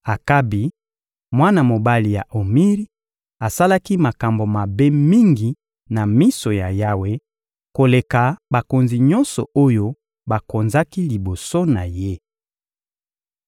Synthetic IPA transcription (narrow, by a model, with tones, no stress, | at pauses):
a˨ka˦bi˨ | mwa˦na˨mo˨ba˦li˨ja̰˨ʔo˨mi˦ʁi˦ | a˨sa˦la˦ki˦ma˨ka˨mbo˨ma˨be˦mi˦ŋɡi˨ | na˨mi˦so˨ja˨ja˦we˦ | ko˨le˨ka˨ba˨ko˨nzi˨ɲɔ˦nsɔ̰˨o˦jo˦ | ba˨ko˨nza˦ki˦li˨bo˨so˦na˨je˦